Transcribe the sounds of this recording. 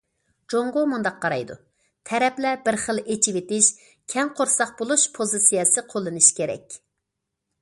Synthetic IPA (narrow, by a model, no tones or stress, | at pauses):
d͡ʒoŋʁomund̪ɑqʰːɑɾɑjd̪ṵ | t̪ʰɛɾɛplɛbɪɾχəlˠet͡ʃʰiwet̪ɪʃ | kʲʰɛŋqʰoɾsɑq̚bolˠuʃpʰozɨsijɛsɨqʰolˠːɨnɨʃkʲʰeɾɛ̰kʲ